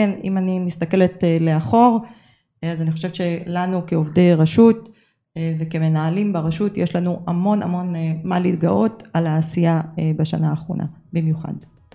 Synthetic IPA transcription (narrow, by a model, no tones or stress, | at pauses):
kenḭmanimist̪ake̞letele̞aχo̞ʁ | azaniχoʃevʃe̞lanukeovdejʁaʃut | vekeme̞naːlimbaʁaʃutjʔeʃlanuamo̞na̰mo̞nmalit̪ɡaʔo̞talaːsijabaʃa̰naːχʁo̞̰nʔa̰bimjuχa̰d